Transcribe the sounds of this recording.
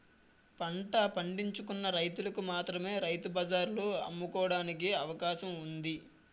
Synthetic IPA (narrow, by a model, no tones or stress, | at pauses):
pɐɳʈapɐɳɖiɲt͡ʃukunːɐɾɐjt̪ulɐkumaːt̪ɾɐme̞ːɾɐjt̪ubɐd͡ʒaːɾuluɐ̰mːukɔːɐɽaːnik̬iɐʋɐkaːʃɐmund̪i